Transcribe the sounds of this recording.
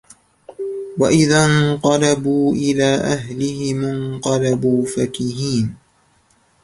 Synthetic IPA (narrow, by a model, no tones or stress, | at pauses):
waʔɪðanqɑlɑbuːʔɪlaːʔaɦlɪhɪmɪnqɑlabuːfakiːɦiːn